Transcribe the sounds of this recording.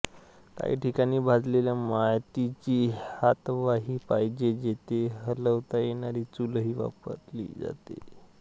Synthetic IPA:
t̪a̰ḭʈʰikaɽ̃iːbʱad͡zleljamajt̪it͡ɕiːhat̪ʋaɦiːpaɦid͡ʑed͡ʑet̪eɦələʋt̪ajenaɾiːt͡sulɦiːʋa̰pə̰ɾlḭːd͡za̰t̪ḛ

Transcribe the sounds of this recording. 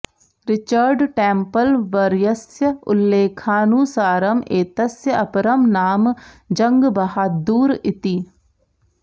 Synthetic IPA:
ɾɪt͡ʃəɾɖʈɛ̃ːmpəlʋɐɾjəsjəʊ̰lːeːkʰaːnuːsaːɾɐmeːt̪ɐsjəɐpɾəmnaːm | d͡ʒɐŋɡbɐɦaːd̪uːɾɪt̪iː

